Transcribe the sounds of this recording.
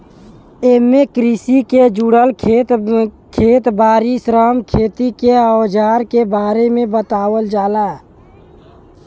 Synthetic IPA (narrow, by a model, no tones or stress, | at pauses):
eːmːekɾisiked͡ʒuɽəlʰet̪ | kʰeːt̪baːɾisɾaːmkʰeːt̪ikeawd͡ʒaːɾkebaːɾemẽbət̪aːwəld͡ʒaːlaː